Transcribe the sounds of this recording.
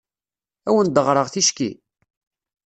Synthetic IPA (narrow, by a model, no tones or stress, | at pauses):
æwənd̪əʁɾˤəʁθiʃkḭ